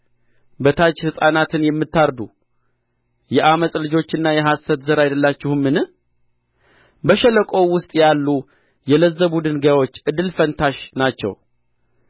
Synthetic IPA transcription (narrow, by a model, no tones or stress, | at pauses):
bət̪ʰat͡ʃːhɨsʼanat̪ʰɨnjɛmːɨt̪ːaɾd̪u | jɛʔaməsʼlɨd͡ʒo̞t͡ʃːɨnːajɛɦasət̪zəɾajd̪əlːat͡ʃːɪhɨmːɨnɨ | bəʃɛləkʼo̞wʊst̪ʼjalːu | jɛləzːəbud̪ɨnɡawo̞t͡ʃːɨd̪ɨlfənt̪ʰaʃnat͡ʃːɛ̰w